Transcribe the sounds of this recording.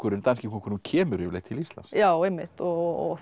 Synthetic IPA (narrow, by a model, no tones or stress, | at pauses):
kʰʏɾɪnt̪anscɪkʰɔkʰʏɾnuncʰɛːmʏɾʏleːt̪ʰɪlist̪la̰nsjaːwemːɪ̰ht̪ɔɔ